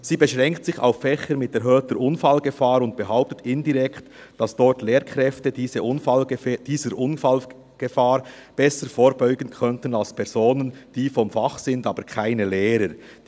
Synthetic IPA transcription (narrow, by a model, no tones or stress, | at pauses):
ziːbəʃʁɛŋktsɪça̰ʊfːɛçəɾmɪtɛɐɾɦøːtəɾʔʊnfalɡəfaːɾʊnt̚b̥əɦaʊp̚tətɪndiʁɛkt | d̥ɑsd̥ɔɹtleːɾkʁɛftədiːzəʔʊnfald̥iːzəɾʔʊnfal | ɡ̥əfaːɾ | b̥ɛsəɾfoːɾbɔʏɡən̩kʰœntən̩alspʰɛɾz̥oːnənd̥iːfɔmfɑχsɪndɑːbəɾkʰaɪnəleːɾə